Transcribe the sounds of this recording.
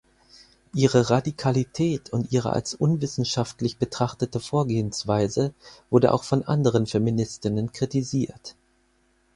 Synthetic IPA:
ʔiːʁəʁadikʰalitʰɛːtʰʊntʔiːʁ̞ə̰ʔa̰lsʔʊnvɪsn̩ʃaftlɪçb̥ətʁ̥aχtətəfoːɐɡeːənsv̥aɪzəv̥ʊɐdə̰ʔa̰ʊxfɔnʔa̰ndəʁ̞ənfeminɪstɪnənkʁ̥itiziːɐt

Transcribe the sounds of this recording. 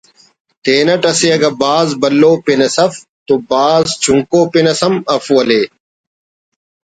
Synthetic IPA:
t̪eːnɐʈɐseɐɡɐbaːzbɐlːoːpinɐsɐf | t̪obaːzzt͡ɕuŋkoːpinɐsɐmɐfwɐleː

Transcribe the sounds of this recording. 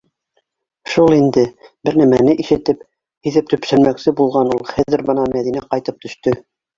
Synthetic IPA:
ʃulˠind̪ɘbɘɾnæmænɘʔiʃɘ̆t̪ɘp | hiðɘp̚t̪ɵ̆psɘ̆nmæksɘbulˠʁɑnulˠχæðɘɾbɤ̆nɑmæðinæqɑjt̪ɤp̚t̪ɵ̆ʃt̪ɵ

